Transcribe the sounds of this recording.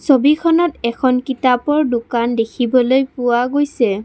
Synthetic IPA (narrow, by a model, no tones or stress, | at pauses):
sobikʰɔnɔtɛkʰɔnkitapɔɹdʊkandekʰibɔlojpʊwaɡojsɛ